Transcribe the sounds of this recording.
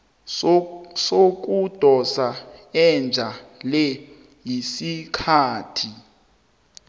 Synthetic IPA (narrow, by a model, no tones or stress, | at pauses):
sok̬ʼud̥ʱɔsaɛnd͡ʒʱalɛ | jisikʰaːtʰi